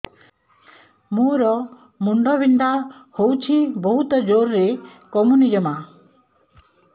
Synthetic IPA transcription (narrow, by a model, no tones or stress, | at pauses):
mũɾɔ | muɳɖɔbind̪ʱahowt͡ʃʰibɔɦut̪ɔd͡ʒoɾːekɔmunid͡ʒɔma